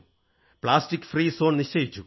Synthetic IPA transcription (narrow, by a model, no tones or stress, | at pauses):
pɭaːsʈikːfriːsoːɳniʂt͡ɕejit͡ɕːu